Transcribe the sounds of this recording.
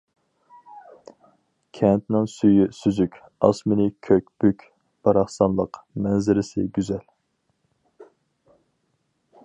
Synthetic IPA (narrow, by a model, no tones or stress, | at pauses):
kʲʰɛnt̪nɪŋsyjysyzykʲ | ɑsmɪnɪkʲʰøk̚ʲb̥ykʲ | b̥ɑɾɑχsɑnlˠəqmɛnzɪɾɪsɪɡʲyzɛl